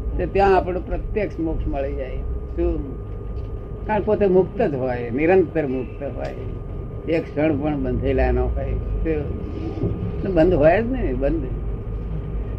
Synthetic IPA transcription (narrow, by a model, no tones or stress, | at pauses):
t̪ot̪jãːpɽõpɾət̪jeksmʊkʃməɭid͡ʒajsu | kapot̪emʊkt̪əd͡ʒɦojniɾənt̪əɾmʊk̚t̪əɦo̰j | ekʃəɳ̃pəɳbənd̪ʱalanoːkəit̪e | nebə̃nd̪ʱɦojed͡ʒnəbə̃nd̪ʱ